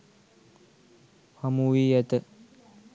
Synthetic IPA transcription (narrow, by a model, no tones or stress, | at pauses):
hamuʋiːjɛt̪ə